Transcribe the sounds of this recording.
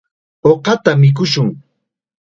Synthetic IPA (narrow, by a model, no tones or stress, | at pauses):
oqɑt̪amɪk̬ʊʃʊŋ